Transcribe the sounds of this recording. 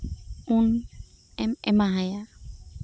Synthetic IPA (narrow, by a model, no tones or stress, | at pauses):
un | ɛmɛ̰maɦaja